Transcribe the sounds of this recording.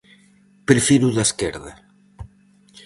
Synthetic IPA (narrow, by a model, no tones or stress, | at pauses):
pɾefiɾuðaskeɾða